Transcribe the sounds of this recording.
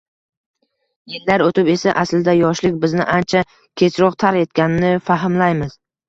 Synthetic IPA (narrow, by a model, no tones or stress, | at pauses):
jelːaɾot̪ɪpe̞saʔaslɪd̪ajɒʃlɪkʲbɪznɪ̰ʔant͡ʃʰa | kʲʰe̞sɾɒqt̪ʰaɾe̞t̪̚kʲanɪnɪfaɦɪmlajmɪz̥